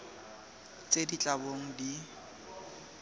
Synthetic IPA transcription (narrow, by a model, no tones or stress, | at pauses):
t͡sʼedit͡ɬʼaboŋ̩di